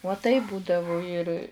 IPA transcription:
uɔ tɐɪp ˈbuːdɐʋʊ ɪr

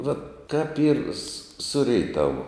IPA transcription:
ʋɐt kɐp iːr s ˈsʊ rʲɛɪˈtɑːʋʊ

